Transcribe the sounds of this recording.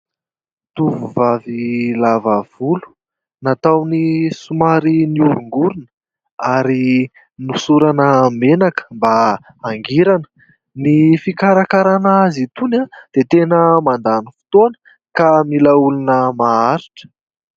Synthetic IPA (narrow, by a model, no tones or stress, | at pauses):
t̪uvuvavilavav̥ulu̥ | nat̪awnisumaɾiniuɾuŋɡuɾunə̥ | aɾi | nusuɾanəmenakə̥mba | aŋɡiɾanə̥ | nifikaɾakaɾanazit̪unad̪̥et̪enəmand̪anifu̥t̪onə̥ | kamilaulunəmaaɾiʈ͡ʂə̥